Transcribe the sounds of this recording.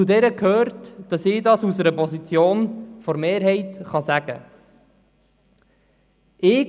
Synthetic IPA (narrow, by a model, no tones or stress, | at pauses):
udɛɾəkʰhøːɾtd̥ɑsɪːdɑsusəɾəpɔsit͡sjoːnfɔɾmeːɾɦɛɪtχɑsæɡ̥ə̰ | ɪː